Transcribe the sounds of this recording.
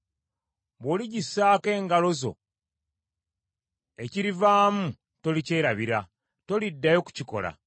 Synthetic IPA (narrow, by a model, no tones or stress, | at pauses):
bwoːliɟisːaːke̞ːŋɡalo̞zo̞̰ | e̞ciɾivaːmu | to̞lice̞ːɾaβiɾa | to̞lidːajo̞ku̥ciko̞̰la̰